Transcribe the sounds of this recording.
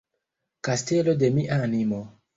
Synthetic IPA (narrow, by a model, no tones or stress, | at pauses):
kastelode̞miʔanimo